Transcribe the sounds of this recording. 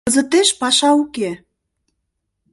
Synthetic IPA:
əzə̆t̪eʃpɑʃɑuke

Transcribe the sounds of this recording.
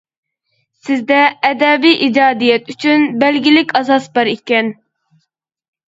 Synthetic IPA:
sɪzd̪ɛːd̪ɛbijʔid͡ʒɑːd̪ijɛt̪ʰyt͡ʃʰynbælɡʲilɪkʲɑsɑsbɑɾikʲɛn

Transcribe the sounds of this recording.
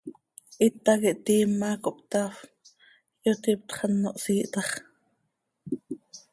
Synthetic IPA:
ʔit̪ɑkiʔt̪iːmːɑkoʔpt̪ɑf | jot̪ip̚t̪χɑnːoʔsiːʔt̪ɑχ

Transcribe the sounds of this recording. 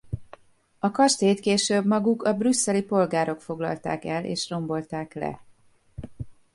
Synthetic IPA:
ɒkɒʃt̪eːt̪keːʃøːbmɒɡukɒbrysːɛlipo̞lɡaːɾo̞kfo̞ɡlɒ̰lt̪a̰ːkɛlʔḛːʃro̞mbo̞lt̪aːklɛ̰

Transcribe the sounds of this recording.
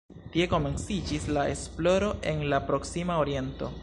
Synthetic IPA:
tie̞ko̞me̞nsid͡ʒislae̞splo̞ɾo̞ʔe̞nlapɾo̞ksimaoɾie̞nto̞̰

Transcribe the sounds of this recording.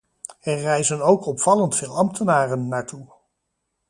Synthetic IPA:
ɛrrɛjzənowkɔpfɑləntfɪːlˠɑmtənaːrənːaːɹtu

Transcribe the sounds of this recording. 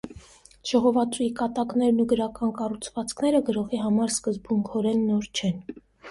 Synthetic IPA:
ʒ̥ɔʁɔvɑt͡suikɑt̪ɑknɛɾnuɡəɾɑkɑnkɑrut͡sʰvɑt͡skʰnɛɾəɡəɾɔʁiɦɑmɑɾskəzbuŋkʰɔɾɛnːɔɾt͡ʃʰɛn

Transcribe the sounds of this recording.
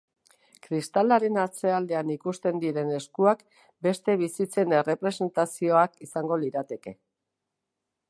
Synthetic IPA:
kɾist̪alaɾe̞nat͡se̞ald̪e̞anikust̪e̞nd̪iɾe̞ne̞skuak | be̞st̪e̞β̞isit͡se̞ne̞re̞pɾe̞se̞nt̪asio̞akisaŋɡo̞liɾat̪e̞ke̞

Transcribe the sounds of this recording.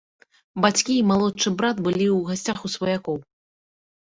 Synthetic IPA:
bat͡sʲkʲiːmalˠɔt͡ʂɨbɾat̪bɨlʲiwɣasʲt͡sʲaxusvɐjakɔw

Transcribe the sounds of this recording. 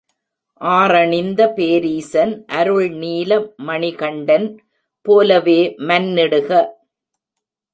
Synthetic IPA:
ʔaːrɐɳɪnd̪ɐpeːɾiːsɐnʔɐɾɯɭniːlɐmːɐɳɪɣɐɳɖɐn | poːlɐʋeːmɐnːɪɽɯɣɐ

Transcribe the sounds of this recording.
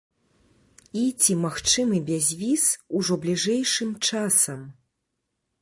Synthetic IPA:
it͡sʲimaxt͡ʂɨmɨbʲazʲvʲisuʐɔblʲiʐɛjʂɨmt͡ʂasɐm

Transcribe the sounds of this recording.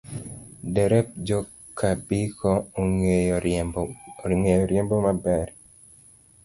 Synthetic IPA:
dɛɾɛp̚d͡ʒɔ | kʰabikɔoŋ | ŋejɔɾjembomabɛr

